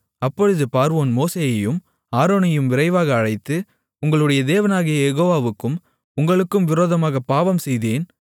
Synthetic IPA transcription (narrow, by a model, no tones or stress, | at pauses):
ɐpːɔɻɯðɯpaːɾoːnmoːseːjɐjɯm | aːɾoːnɐjɯmʋɪɾɐɪʋaːɣɐːɻɐɪt̪ːɯ | ʊŋɡɐɭɯɽɐjɐd̪eːʋɐnaːɣɪjɐjɛɣoːʋaːʋɯkːɯm | ʊŋɡɐɭɯkːɯmʋɪɾoːðɐmaːɣɐpːaːʋɐmsɛjðeːn